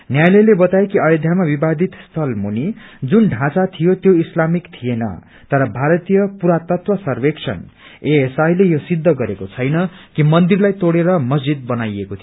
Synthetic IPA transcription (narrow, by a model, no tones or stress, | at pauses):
njajlʌjlebʌt̪aekiʌjod̪ʱjamabibad̪ʱit̪st̪ʰʌlmunid͡zunɖʱãt͡sat̪ʰijot̪joislamikt̪ʰijenʌ̰ | t̪ʌɾʌbʱaɾʌt̪ijʌpuɾat̪ʌt̪wʌsʌrbeksʰʌ̰n | eesajlejosid̪ʱːʌɡʌɾekot͡sʰʌjnʌkimʌnd̪irlajt̪oɽeɾʌmʌsd͡zid̪̚bʌnajekot̪ʰi